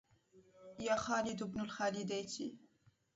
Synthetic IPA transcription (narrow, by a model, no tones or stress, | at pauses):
jaːxɑːlid̪ubnulxalid̪ejt͡ʃʰḭ